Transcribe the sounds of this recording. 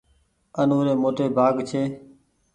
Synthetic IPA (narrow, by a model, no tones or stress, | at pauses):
ənoːɾeːmoːʈeːbʱaːɡt͡ʃʰeː